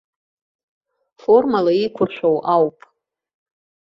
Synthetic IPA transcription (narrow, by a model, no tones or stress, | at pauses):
fo̞rmalaikʷʰʊrʃʷᶣowʔawpʼ